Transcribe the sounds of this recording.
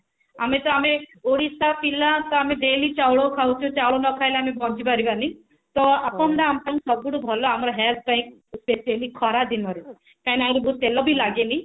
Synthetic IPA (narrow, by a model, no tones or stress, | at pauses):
amet̪ɔameoɽisapilat̪ɔamed̪elit͡ʃawɭokʰawt͡ʃʰut͡ʃawɭonɔkʰajlaamebɔd͡ʒibaɾibani | t̪ɔapɔnd̪aamt̪aŋsɔɡuɽubʱɔlɔamɔɾɔɦelt̪̚ʰbaĩk̚spesielikʰɔɾad̪inɔɾe | kajnajɾibut̪elɔbilaɡeni